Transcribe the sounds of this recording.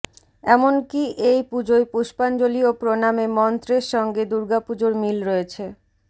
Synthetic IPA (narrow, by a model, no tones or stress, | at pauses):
ɛmonkiʔejpud͡ʑoepuʃpand͡ʑoliopɾonamemɔnt̪ɾeɾʃɔŋɡed̪uɾɡapud͡ʑoɾmilɾɔet͡ɕʰe